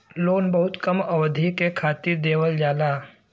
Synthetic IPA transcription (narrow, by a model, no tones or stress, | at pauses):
loːnbɐɦʊt̪kɐmɐʋd̪ʱikekʰaːt̪ɪɾd̪eːwəld͡ʒaːlaː